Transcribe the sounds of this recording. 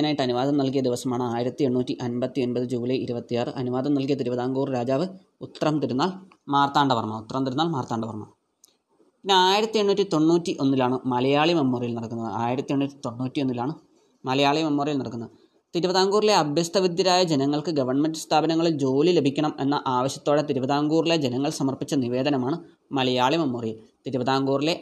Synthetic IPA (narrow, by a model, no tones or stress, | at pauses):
naːjiʈːɨɐnuʋaːd̪ɐmnɐlkijɐd̪iʋɐsɐmaːɳɨaːjiɾɐt̪ːie̞ɳːuːtːiʔɐnbɐt̪ːie̞nbɐðɨd͡ʑuːlɐiɾubɐt̪ːijaːrɨʔɐnuʋaːd̪ɐmnɐlk̬ijɐt̪iɾubɐðaːŋɡuːrɾaːd͡ʑaːʋɨ | ut̪ːɐrɐmt̪iɾunːaːl | maːrt̪aːɳɖɐʋɐrmɐut̪ːrɐmt̪iɾunːaːlmaːrt̪ːaːɳɖɐʋɐrmɐ̰ | pinːeaːjiɾɐt̪ːieɳːuːtʲːit̪o̞ɳːuːtːiʔo̞nːilaːɳɨmɐlɐjaːɭimɐmːoːrijilnɐɽɐkːunːɐðɨ̰aːjiɾɐt̪ːieɳːuːtːit̪o̞ɳːuːtːio̞nːilaːɳɨ | mɐlɐjaːɭimɐmːoːrijilnɐɽɐkːunːɐðɨ | t̪iɾubɐðaːŋɡuːrile̞ɐbʱjɐst̪ʰɐʋid̪jɐɾaːjɐd͡ʑenɐŋːɐɭkɨɡɐʋɐrɳmendɨst̪ʰaːbɐnɐŋːɐɭild͡ʑo̞ːlile̞bʱikʲːɐɳɐmenːɐʔaːʋɐɕjɐ̥t̪ːoːɽet̪iɾubɐðaːŋɡuːriled͡ʑe̞nɐŋːɐɭsɐmɐrpit͡ɕːɐniʋe̞ːd̪ɐnɐmaːɳɨ | mɐlɐjaːɭimɐmːoːrijilt̪iɾubɐðaːŋɡuːrile̞